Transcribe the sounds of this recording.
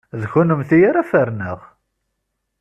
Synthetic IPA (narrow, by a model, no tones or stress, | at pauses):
ðçunəmθijaɾæfəɾnəʁ